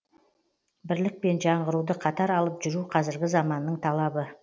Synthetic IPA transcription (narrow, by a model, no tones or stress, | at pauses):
bɪɾlɪk̚pe̞nʒɑɴʁəɾud̪əqʰɑt̪ɑɾɑlˠəpʒʏɾuqʰɑzɪɾɡʲɪzɑmɑnːəɴt̪ʰɑlˠɑbə